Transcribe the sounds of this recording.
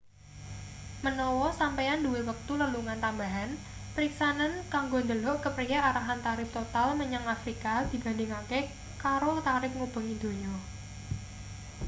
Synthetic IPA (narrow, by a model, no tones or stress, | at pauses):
mənɔwɔsampejand̪uwewək̚t̪uləluŋant̪ambaɦan | pəɾiksanankaŋɡond̪əlɔʔkəpɾikeaɾaɦant̪aɾɪp̚t̪ot̪alməɲəŋafɾikad̪̥i̤b̥andɪŋake | kaɾot̪aɾɪp̚ŋob̥ɔ̤ŋind̪̥o̤jɔ